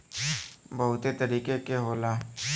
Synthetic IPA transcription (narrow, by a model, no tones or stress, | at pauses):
bɐɦʊt̪et̪ɐɾiːkekeɦoːlaː